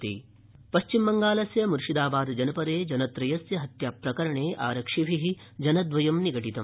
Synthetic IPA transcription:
t̪ḭː | pɐʃt͡ʃimbɐŋɡaːlɐsjɐmuɾuʂid̪aːbaːd̪d͡ʒɐnɐpɐɾeːd͡ʒɐnɐt̪ɾɐjɐsjɐɦɐt̪jaːpɾɐkɐɾɐɳeːʔa̰ːɾɐkʂiʋʱiɦid͡ʒɐnɐd̪ʋɐjɐmniɡɐʈit̪ɐm

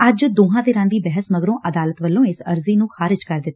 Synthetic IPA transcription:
əd͡ʒd̪oːɦãːd̪eːɾãːd̪iːbɛɦəsməɡɾõːʔəd̪aːlət̪ʋəlːõːɪsəɾziːnũːxaːɾɪd͡ʒkəɾd̪ɪt̪ː

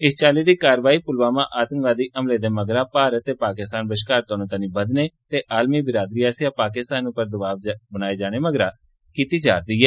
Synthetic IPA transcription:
ɪst͡ʃaːliːd̪iːkaːɾəʋaːiːpʊlʋaːmãːʔaːt̪ə̃ŋkʋaːd̪iːʔəmleːd̪eːməɡɾãːpaːɾət̪ːeːpaːkɪst̪aːnbəʃkaːɾt̪aːnũːt̪aːnĩːbəd̪neːt̪eːʔaːlmiːbɪɾaːd̪ɾiːaːsɪjaːpaːkɪst̪aːnʊpəɾd̪əbaːʋbənaːeːd͡ʒaːɽ̃eːməɡɾaː | kiːt̪iːd͡ʒaːɾd̪iːɦɛː

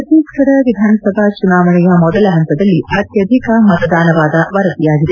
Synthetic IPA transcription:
ɐt̪iːkʂɐɽɐʋid̪ʱaːnɐsɐbʱɐt͡ʃunaːʋɐɳijɐmɔd̪ɐlɐɦɐnt̪ɐd̪ɐlːiɐt̪jɐd̪ʱikɐmɐt̪ɐd̪ʱaːnɐʋaːd̪ɐʋɐɾɐt̪ijaːɡid̪e

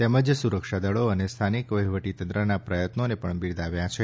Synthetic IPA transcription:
t̪ɛməd͡ʒsuɾəkʃad̪əɭoənest̪ʰanikʋəɦiʋəʈit̪ənt̪ɾənapɾəjət̪nonepəɳbiɾd̪aʋjat͡ʃʰe

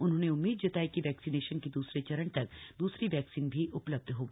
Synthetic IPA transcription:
ʊnɦõːneʊmːiːd̪̚d͡ʒɐt̪aːekiʋɛːksineːʃənkid̪uːsɾet͡ʃɐɾəɳt̪ɐk̚d̪uːsɾiʋɛːksiːnbʱiʔʊpləb̚d̪ʱɦoːɡiː

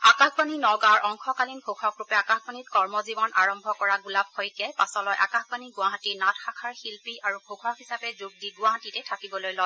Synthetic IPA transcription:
akaxʰpaninɔɡaɹʔɔŋxʰɔkalinbʱokʰɔkɹupɛakaxbanitkɔɹmɔzibɔnʔaɹɔmbʱɔkɔɹaɡulab̚xojkɛpasɔlɔjʔa̰kaxpaniɡʊaɦatinatxakʰaɹxilpiaɹubʱokʰɔkɦisapɛzoɡ̚diɡʊwaɦatitɛtʰakibɔlojlɔj

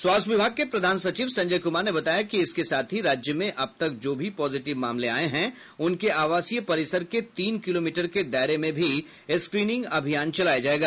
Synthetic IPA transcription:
swaːst̪ʰʋɪbʱaːɡ̚kepɾɐd̪ʱaːnsɐt͡ʃiːʋsɐ̃ɲd͡ʒəjkʊmaːɾnebɐt̪aːjakiɪskesaːt̪ʰɦiɾaːd͡ʒjəmẽʔɐb̚t̪ɐk̚d͡ʒoːbʱipɔːzɪʈɪʋma̰ːmlea̰ːeɦɛ̃ | ʊnkeʔaːʋaːsijəpɐɾɪsəɾket̪iːnkɪloːmiːʈəɾked̪aːɾemẽbʱi | skɾiːnɪ̃ŋɡɐbʱijaːnt͡ʃɐlaːjad͡ʒaːeːɡaː

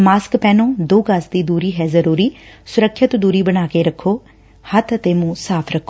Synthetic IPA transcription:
maːskpɛːnõːd̪oːɡəsd̪iːd̪uːɾiːɦɛːzəɾuːɾiːsʊɾəkʰːjət̪d̪uːɾiːbəɽ̃aːkeːɾəkʰːoː | hət̪ʰət̪eːmũːsaːpʰɾəkʰːoː

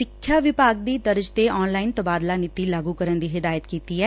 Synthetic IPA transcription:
sɪkʰːjaːʋɪpaːɡ̚d̪iːd̪əɾd͡ʒt̪eːʔɔːnlaːɪnt̪əbaːd̪laːnɪt̪iːlaːɡuːkəɾənd̪iːɦɪd̪aːjət̪kiːt̪iːɛː

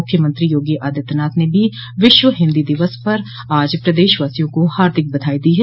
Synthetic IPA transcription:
ʊkʰːjəmə̃nt̪ɾijoːɡiʔaːd̪ət̪naːt̪nebʱi | ʋɪʃʋəɦɪ̃nd̪id̪ɪʋəspɐɾ | aːd͡ʒpɾɐd̪eːʃʋaːsijõkohaːɾd̪ʱɪk̚bɐd̪ʱaːid̪iɦɛː

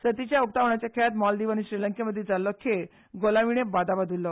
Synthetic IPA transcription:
sət̪it͡ɕjaup̚t̪aʋɳat͡ɕjakʰeat̪mɔld̪iʋañiɕɾiləŋkeməd̪ʱːjed͡zalːɔkʰe | ɡolaʋiɳ̃ebad̪abad̪ʱulːɔ

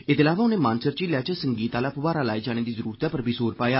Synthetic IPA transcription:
ɪt̪ɪlaːʋaːʊnẽːmãːnsəɾt͡ʃiːlaːt͡ʃəsəŋɡiːt̪aːlaːpəʋaːɾaːlaːiːd͡ʒaːɽ̃eːd̪iːzəɾuːɾət̪aːpəɾəbiːsoːɾpaːjaː

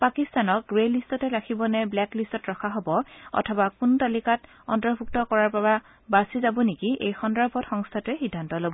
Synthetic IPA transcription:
pakistanɔk̚ɡɹelistɔtɛɹakʰibɔnɛblɛklistɔtɹɔkʰaɦobɔɔ̰tʰɔbakuntalikat | ɔ̰ntɔɹbʱuk̚tɔkɔɹaɹbaba | basizabɔnikiejxɔndɹapʰɔtxɔŋstʰatʊɛxidʱːantɔlobɔ

